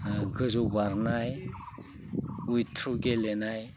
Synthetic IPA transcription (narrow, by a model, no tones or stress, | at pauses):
ɡɯzubaɾnaj | ujt̪ʰɾuɡelenaj